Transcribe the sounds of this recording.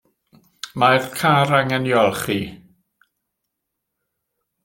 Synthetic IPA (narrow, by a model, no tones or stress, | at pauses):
majðkʰaɾaŋɛnjɔlˠχi